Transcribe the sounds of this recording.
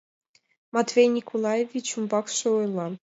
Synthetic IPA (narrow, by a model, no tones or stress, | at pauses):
mɑt̪vʲejnʲikʰolˠɑjevʲit͡ɕumbɑkʂɤ̆ojlˠɑ